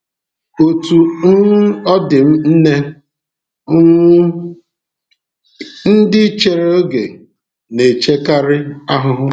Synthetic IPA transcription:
o˨tu˨˦ | ɔ˦dɪ˨m̩˦n̩˦ne˦ | n̩˦dɪ˦t͡ʃe˨ɾe˦o˦ɡe˨ | ne˨t͡ʃe˦ka˦ɾɪ˦a˦ɦʊ˦ɦʊ˦

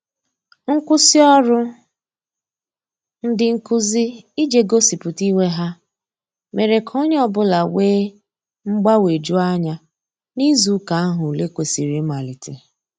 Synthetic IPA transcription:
ŋ̩˦kʷʊ˦si˦ɔ˦ɾʊ˦ | n̩˦dɪ˨ŋ̩˦kʊ˦zi˦i˦d͡ʒe˨ɡo˦si˨pʊ˨ti˦we˦ɦa˦ | me˨ɾe˨kʰɔ˦ɲ˦ɔ˦˨bʊ˦la˨weː˦ | ŋ͡m̩˦ɡ͡ba˦we˨d͡ʒu˦a˦ɲa˦ | ni˦zu˨˦ka˨a˦ɦʊ˨le˦kʷe˨si˨ɾi˨˦ma˨lɪ˨tɪ˨

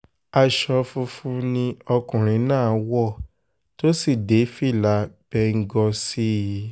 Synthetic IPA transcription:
a˧ʃɔ˧fu˧fũ˧˦nĩ˧ɔ˧kũ˨ɾ̃ĩ˨˦nãː˦˨˦wɔ˦˨ | to˦si˦˨de˨˦fi˦˨la˨˦b̥ɛ˧˦ŋ̩˦ɡɔ˧si˦ji˧

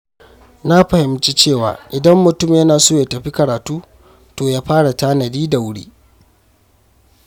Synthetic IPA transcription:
na˦ɸɐ˨hɪ˨mt͡ʃi˦t͡ʃeː˦˨wa̰ː˨ʔɪ˨dɐ˦mːʊ˨tʊ˦˨mjɐ˦naː˨soː˦˨ja˦tɐ˨ɸi˦kɐ˨ɾaː˨tuː˦ | toː˨jaː˦ɸaː˦ɽa˨taː˦nɐ˨diː˦da˨wʊ˦ɽḭː˦

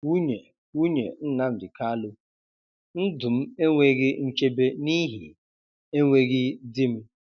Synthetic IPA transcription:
wu˦ɲe˨ | wu˦ɲe˨n̩˦na˦m̩˨dɪ˨ka˦lʊ˦ | n̩˦dʊ˨m̩˦e˦ŋʷe˦ɣɪ˦n̩˦t͡ʃe˦be˦ni˦ɦi˨ | e˦ŋʷe˦ɣɪ˦dɪ˦m̩˦

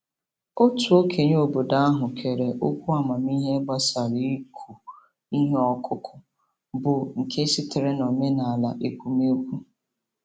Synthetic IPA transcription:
o˦tu˨o˦kʰe˨ɲ˦o˨bo˨da˦a˦ɦʊ˨kʰe˨ɾe˨ʔo˦kʷu˦a˨ma˨mi˦ɦe˦ɡ͡ba˦sa˨ɾi˦i˦kʷʰu˨ | i˦ɦe˦ɔ˦˨kʰʊ˦kʰʊ˨ | bʊ˨ŋ̩˨kʰe˦si˦tɪ˨ɾe˦no˨me˦na˨a˨la̰˨ʔe˨kʷu˨me˦kʷu˦

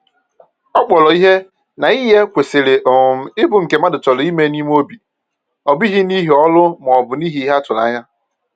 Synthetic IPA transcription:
ɔ˦k͡pɔ˨lɔ˨i˦ɦe˦ | na˨i˦ɦe˦kʷe˨se˨le˨ʔʊ˨m̩˨ɪ˦bʊ˨ŋ̩˨ke˨ma˦dʊ˨t͡ʃɔ˨lʊ˨˦i˦me˦ni˦m˦o˦bi˨ | ɔ˨bi˦ɦi˦ni˦ɦi˨ɔ˦lʊ˦m˨ɔ˨bʊ˨ni˦ɦi˨˦i˦ɦa˦tʊ˨la̰˦ɲa˦

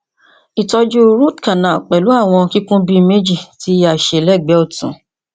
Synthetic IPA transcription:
i˨tɔ˧d͡ʒu˦ɾu˦˨tkã˨nã˨k͡pɛ˨lu˨˦a˦˨w̃ɔ̃˧ki˦kũ˦bi˧me˦d͡ʒi˦˨ti˨˦ja˨ʃe˧˨lɛ˦˨ɡ͡bɛ˨˦o˦˨tũ˨˦

